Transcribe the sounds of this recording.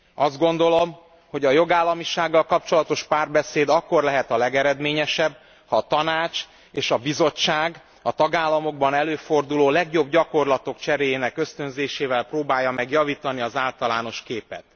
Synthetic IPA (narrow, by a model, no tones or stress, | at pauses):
ɒzd̪ɡo̞n̪d̪o̞lo̞m | ho̞ɟɒjo̞ɡaːlːɒmiʃaːɡːɒlkɒpt͡ʃo̞lɒt̪o̞ʃpaːrbɛseːd̪ɒkːo̞rlɛɦɛt̪ɒlɛɡɛɾɛd̪meːɲɛʃɛb | hɒːt̪ɒnaːt͡ʃ | eːʃɒbizo̞t͡ʃːaːɡ | ɒt̪ɒɡaːlːɒmo̞ɡ̚bɒnɛløːfo̞rd̪uloːlɛɡjo̞bɟɒko̞rlɒt̪o̞kt͡ʃɛɾeːjeːnɛkø̞st̪ø̞nzeːʃeːvɛlproːbaːjːɒmɛɡjɒviːt̪ɒniɒzaːlt̪ɒlaːno̞ʃkeːpɛ̰t̪